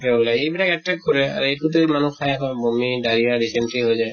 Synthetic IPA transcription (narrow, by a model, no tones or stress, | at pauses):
ɛbulaejbilakɛtɹɛkkːɔɹɛa̰ɹuejʰutumanukʰajakɔ̃bomidaɹijadisɛntɹiɦojzaj